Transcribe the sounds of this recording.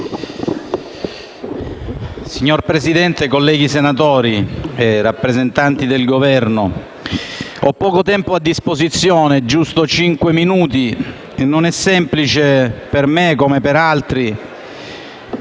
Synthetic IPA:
siɲːorpɾesid̪ɛnt̪ekolːɛːɡisenat̪̬ɔːɾierapːɾezent̪ant̪id̪elɡovɛrno | ɔpːɔːkot̪ɛmpoad̪ːispozit̪sːjoːned͡ʒust̪ot͡ʃiŋkweminuːt̪i | nːonɛsːɛmplit͡ʃepermekomepeɾalt̪ɾi

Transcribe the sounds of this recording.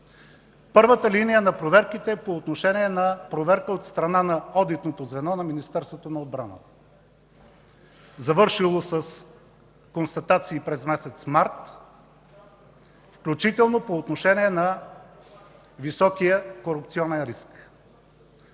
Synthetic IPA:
pɤɾvət̪əlinijənɐpɾovɛɾkit̪ɛpoːt̪noʃɛniɛnɐpɾovɛɾkəot̪st̪ɾɐnanɐɔd̪it̪not̪ozvɛnɔnɐminist̪ɛɾst̪vot̪onɐod̪̚bɾa̰nə̰t̪ə | zɐvɤɾʃilˠosəs | konst̪ɐt̪at̪siːpɾɛzmɛsɛt̪smaɾt̪ | fklʲut͡ʃit̪ɛlˠnopoːt̪noʃɛniɛnɐ | visɔkijəkoɾup̚t̪siɔnɛnɾisk

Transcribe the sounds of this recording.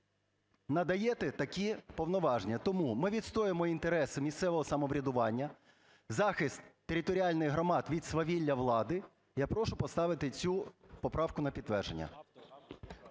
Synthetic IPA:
nɐd̪ɐjɛt̪ɛt̪ɐkʲipɔwnɔʋɑʒnʲɐt̪ɔmumɪʋʲit̪st̪ɔjemɔint̪eɾɛsɪmʲist̪sɛʋɔɦɔsɐmɔʋɾʲɐd̪ʊʋɑnʲːɐ | zɑxɪst̪ːeɾʲɪt̪ɔɾʲiɑlʲnɪɣɦɾɔmɑd̪ʋʲid̪sʋɐʋʲilʲːɐʋlˠɑd̪ɪ | japɾɔʃʊpɔst̪ɑʋɪt̪ɪt͡sʲupɔpɾɑwkʊnɐpʲid̪t̪ːʋɛrʒenʲːɐ̰

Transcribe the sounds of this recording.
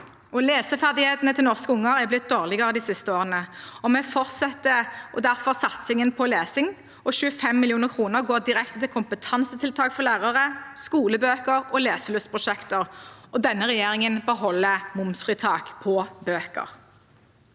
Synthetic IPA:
ɔleːsəfæʁd̪ɪheːt̪nət̪ʰɪlnɔʁskəʊŋːəʁæblɪt̪̚d̪oːʁlɪɡəʁəd̪ɪːsɪst̪əoːʁənəɔmɛfɔʁt̪sɛt̪ːəʔɔd̪æʁfɔʁsɑt̪sɪŋənpʰɔleːsɪŋ | ɔʃʉːəfɛmːɪlɪuːnəʁkʰʁuːnəʁɡoːʁd̪ɪʁɛkt̪ət̪ɪlkʰʊmpət̪ʰɑnsət̪ʰɪlt̪ʰɑːkfɔʁlæːʁəʁəskuːləbøːkəɾɔleːsəlʉst̪pʁʊʃɛkt̪əʁʔɔd̪ɛnːəʁɛjeːʁɪŋənbəɦɔlːəmʊmsfʁiːt̪ʰɑːkpʰɔbøːkə̰ʁ

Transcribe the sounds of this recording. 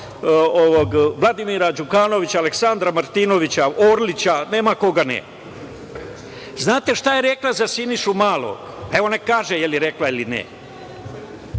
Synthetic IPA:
oʋoɡʋlˠad̪imiːɾad͡ʒukaːno̞ʋit͡ɕaaːle̞ksand̪ɾamaɾt̪inoʋit͡ɕaoːɾlit͡ɕane̞ːmako̞ɡanḛ | znaːt̪e̞ʃt̪aje̞ɾeklˠazasiniʃumaːlˠo̰ɡeʋo̞ne̞kaːʒejeliɾe̞klailinḛ

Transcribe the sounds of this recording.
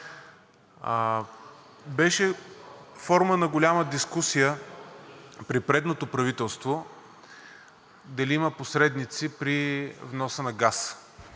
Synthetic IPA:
bɛʃɛ | fɔɾmənɐɡolʲaməd̪iskusijə | pɾipɾɛd̪not̪opɾɐvit̪ɛlˠst̪vo | d̪ɐliimɐposɾɛd̪nit̪sipɾivnɔsənɐɡas

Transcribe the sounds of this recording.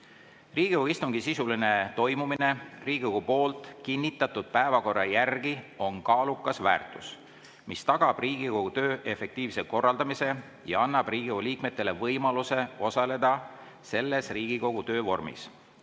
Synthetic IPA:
riːɡ̥ikoist̪uŋɡ̥isisuline̞t̪o̞jmumine̞riːɡiko̞ɡ̥upo̞ːlt̪ˑkinʲːit̪ːˑɑt̪ːˑud̪̥̚pæevɑko̞rːɑjærɡ̥io̞nkɑːlukːˑɑsvæ̰ːrt̪ˑus | mist̪ɑɡ̥ɑb̥riːɡ̥iko̞ɡ̥ut̪ø̞ːʔe̞fe̞k̚t̪iːvseko̞rːɑld̪ɑmise̞ | jɑ̰ɑnːɑb̥riːɡ̥ioliːkme̞t̪ˑːe̞levɤjmɑluse̞o̞sɑle̞d̪ɑ | se̞lːe̞sriːɡ̥iko̞ɡ̥ut̪ø̞ːvo̞rmḭs

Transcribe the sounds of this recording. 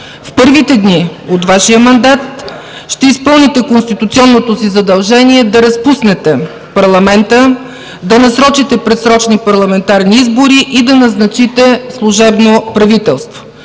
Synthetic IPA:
fpɤɾvit̪ɛd̪niot̪vaʃijəmɐnd̪at̪̚ | ʃt̪ɛispɤlˠnit̪ɛkonst̪it̪ut̪siɔnːot̪osizɐd̪ɐlˠʒɛniɛd̪ɐɾɐspusnɛt̪ɛ | pɐɾlˠɐmɛnt̪ə | d̪ɐnɐsɾɔt͡ʃit̪ɛpɾɛt̪sɾɔt͡ʃnipɐɾlˠɐmɛnt̪aɾniizboɾiʔid̪ɐnɐznɐt͡ʃit̪ɛslˠuʒɛbnopɾɐvit̪ɛlˠst̪vo̥

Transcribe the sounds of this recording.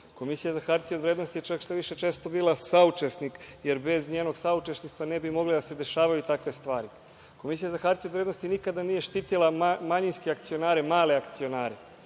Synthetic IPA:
ko̞misijazaxaɾt̪io̞d̪ʋɾeːd̪no̞st̪ijet͡ʃakʃt̪oʋiʃe̞t͡ʃeːst̪o̞biːlasaut͡ʃesnikje̞ɾbe̞zɲeːno̞ɡsaut͡ʃe̞sniʃt̪ʋane̞bimo̞ɡlid̪ase̞d̪e̞ʃaːʋajut̪akʋe̞st̪ʋaːɾi | ko̞misijazaxaɾt̪ijo̞d̪vɾed̪no̞st̪inikad̪anije̞ʃt̪iːt̪ilˠamaɲinskeakt̪sio̞naːɾe̞maːle̞akt̪sio̞naːɾe

